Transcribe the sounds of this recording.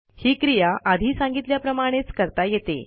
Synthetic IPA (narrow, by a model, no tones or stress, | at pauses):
hiːkɾijaʔad̪ʱiːsãŋɡit̪ljapɾəmaɽ̃et͡skəɾt̪ajet̪ḛ